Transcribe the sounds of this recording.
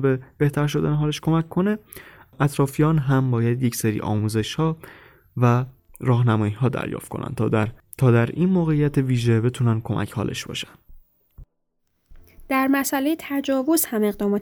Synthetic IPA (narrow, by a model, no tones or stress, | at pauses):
beb̥e̞ht̪ʰæɾʃo̞d̪æ̰neɦɒːleʃkʰo̞mæcʰːone̞ʔæt̪ʰɾɒːfijɒːnɦæmbɒːjæd̪je̞cseɾḭːʔɒ̰ːmuːze̞ʃhɒː | væ | ɾɒːhnæmɒːjiɦɒːd̪æ̰ɾjɒ̰ːft̪̚ko̞̰næ̰n | t̪ʰɒːd̪æɾiːnmoːɣe̞ijːæt̪ʰeviːʒe̞be̞t̪ʰunænkʰo̞mʔæ̰cʰhɒ̰ːlʔḛʃb̥ɒ̰ːʃæ̥nd̪̥ | d̪̥æɾmæsælejet̪ʰæd͡ʒɒːvoz̥hæme̞ɣd̪ɒːmɒːt̪